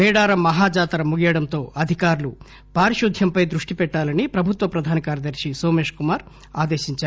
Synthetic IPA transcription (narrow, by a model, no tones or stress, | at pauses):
mɛːɽaːɾɐmɐɦaːd͡ʒaːt̪ɾɐmuɡijɐɽɐnt̪o̞ːʔɐd̪ʱikaːɾulu | paːɾiʃud̪ʱjɐmpɐjd̪ɾuʂʈipɛʈːaːlɐnipɾɐbʱut̪ʋɐpɾɐd̪ʱaːnɐkaːɾjɐd̪ɐɾʂisoːmeːʂkumaːɾ | a̰ːd̪eːʃiɲt͡ʃaː